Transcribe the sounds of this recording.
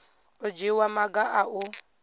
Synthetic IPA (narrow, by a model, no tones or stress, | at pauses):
ɔd͡ʒiwamaɡaʔaʔu